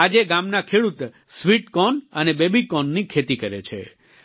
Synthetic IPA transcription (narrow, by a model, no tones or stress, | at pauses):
ad͡ʒeɡamnakʰeɽut̪ | sʋiʈkɔnənebebikɔnːikʰet̪ikəɾḛt͡ʃʰḛ